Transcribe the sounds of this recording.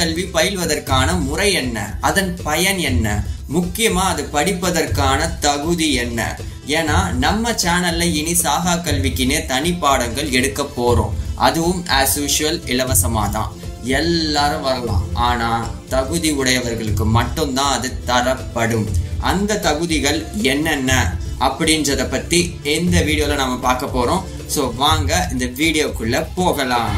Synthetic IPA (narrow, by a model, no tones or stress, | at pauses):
ɐlʋipɐjɪlʋɐðɐrkaːnɐmʊrɐɪɛnːɐ̰ʔɐðɐnpɐjɐnɛnːɐmʊkːɪjɐmãːɐðɯpɐɽɪpːɐðɐrkaːnɐt̪ɐɣɯðiɛnːɐ̰ | eːnaːnɐmːɐt͡ʃaːnɐlɐɪnisaːɣaːkɐlʋɪkːɪneːt̪ɐɳɪpːaːɽɐŋɡɐɭɛɽɯkːɐpːoːɾõ̰ːʔɐ̰ðɯʋɯmaːsuːʂɪɐlɪlɐʋɐsɐma̰ːt̪ã̰ːɛlːaːɾɯ̃ʋɐɾɐlã̰ːʔaːnaːt̪ɐɣɯðiʊɽɐjɐʋɐɾɣɐɭɯkːɯmɐʈːɯnt̪ãːɐðɯt̪ɐɾɐpːɐɽɯmʔɐ̰nd̪ɐt̪ɐɣɯðɪɣɐɭɛnːɛnːɐʔɐpːɐɽɪndrɐðɐpːɐʈːiɛnd̪ɐʋiːɽɪjoːlɐnɐmːɐpaːɾkɐpːoːɾõː | soːʋaːŋɡɐɪnd̪ɐʋiːɽɪjoːkːɯɭːɐpoːɣɐlãːm